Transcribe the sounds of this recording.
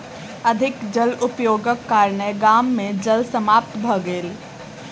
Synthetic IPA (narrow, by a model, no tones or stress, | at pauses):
əd̪ʱɪkd͡ʒəlʊpjoːɡəkːaːɾɳəɡaːmːẽd͡ʒəlsəmaːp̚t̪bʱəɡeːl